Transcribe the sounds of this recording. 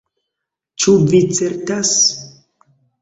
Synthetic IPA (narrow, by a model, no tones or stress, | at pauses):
t͡ʃuvit͡seɾtas